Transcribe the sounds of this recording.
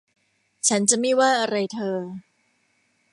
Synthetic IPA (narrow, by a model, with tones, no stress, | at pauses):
t͡ɕʰa˦˥nt͡ɕa˨˩ma˥˩waː˥˩ʔa˧ɾa˧jt̪ʰɤː˧